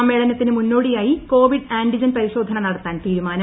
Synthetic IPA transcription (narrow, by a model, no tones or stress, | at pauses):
ɐmːe̞ːɭɐnɐt̪ːinɨmunːoːɽijaːjiko̞ːʋiɖaːɳɖid͡ʑɐnpɐɾiɕo̞ːd̪ʱɐɳɐnɐɽɐt̪ːaːnt̪iːɾumaːnɐ